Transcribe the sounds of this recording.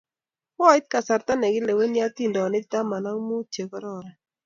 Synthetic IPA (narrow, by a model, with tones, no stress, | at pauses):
wɔ˦ɪ˦t̪̚ka˨sa˨ɾt̪a˦nɛ˨ɡɪ˦le˨we˦nɪ˦a˦t̪i˦˨ndɔ˨nɪ˦t̪a˦ma˨na˦ŋ˦mu˦t͡ʃe˨kɔ˦ɾɔ˦˨ɾa˨